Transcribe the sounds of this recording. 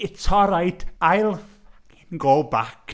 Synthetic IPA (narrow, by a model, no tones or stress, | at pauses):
ɪtʰɔɾajd̥ajlˠθ | inɡoːbak